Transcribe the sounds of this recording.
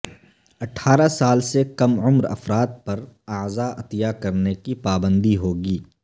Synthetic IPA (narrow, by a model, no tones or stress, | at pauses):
ɐʈʰːaːɾasaːlsekɐmʊmɾɐ̰fɾaːt̪̚pɐɾɐːzaɐt̪jakɐɾnekipaːbə̃nd̪iɦoːɡiː